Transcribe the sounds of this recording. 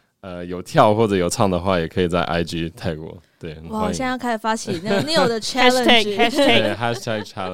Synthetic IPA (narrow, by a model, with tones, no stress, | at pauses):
ə˧jo˨˩ʊt̪ʰjɑ˥˧ʊxwɔ˥˩ʈ͡ʂɤ˨˩jo˨˩ʊt͡sʰɑ˥˩ŋd̪ə˩xwa˥˩jɛ˨˩kʰɤ˧˥i˨˩t͡sa˥˩ɪʔa̰˥ɪʈ͡ʂi˥t̪ʰa˥˩ɪkwɔ̰˧˥t̪we˥˩ɪ˧˩wɑ˥˨˩ɕjɛ˥˧ɑ˥˧ŋkʰa˥ʂfa˥t͡ɕʰi˨˩n˥n˥˩jo˨˩d̪ə˧˩a˥˨t̪ʰe˥˩exa˥ʂt̪ʰɛ˥˩ɡ̚t͡ʃʰa˥lə˨˩